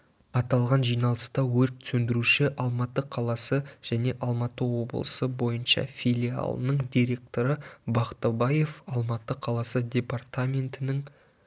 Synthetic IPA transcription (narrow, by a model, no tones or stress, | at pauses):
ɑt̪ɑlˠʁɑnʒijnɑlˠəst̪ɑwɵɾt̪sɵnd̪ɪɾuʃɪʔɑlˠmɑt̪əqʰɑlˠɑsəʒ̥æne̞ʔɑlˠmɑt̪əwo̞bəlˠə̰səbo̞jənʃɑ̰fʲijlʲia̰lˠənəɴd̪ʲijɾe̞k̚t̪o̞ɾəbɑqt̪ɑbɑje̞fɑlˠmɑt̪ːəqʰɑlˠɑsəd̪ʲe̞part̪amʲe̞nt̪ɪnɪŋ